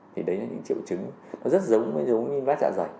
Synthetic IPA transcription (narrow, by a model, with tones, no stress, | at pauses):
t̪ʰi˨˩ɗə˨˦jlaː˨˩ɲɨ̰˧˥ŋt͡ɕḭ˧˨əwt͡ɕɨ˨˦ŋ | nɔ˨˦zə˦˥t̚zə˨˦wŋ͡mvə˧˦jzə˨˦wwŋ͡mɲi˧nvaː˦˥t̚t͡ɕa̰ː˧˨za˨˩j